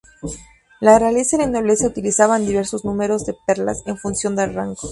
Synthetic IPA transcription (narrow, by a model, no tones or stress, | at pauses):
larealeselanoβlesjaut̪ilisaβand̪iβe̞ɾso̞znũme̞ɾo̞zðe̞pe̞ɾla̰se̞ɱfunsjo̞nd̪elraŋɡo